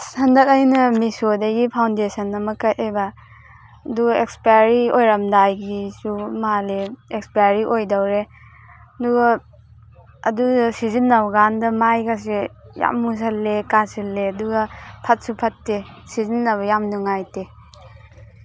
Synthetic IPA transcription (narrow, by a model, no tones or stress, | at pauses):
sɐndɐk̚ɐjnɐmisodɐɡipʰawndesɐnɐmɐkɐtebaː | duɡɐekspajɾiojɾɐmdajɡisumaleekspajɾiʔojdɐwɾe | ɐduɡɐ | dusizinːawɡandɐmajɡas̬eja̰mːus̬ɐlːekasilːeɐduɡɐpʰɐt̚supʰɐtːesizinːɐβɐjamnuŋajte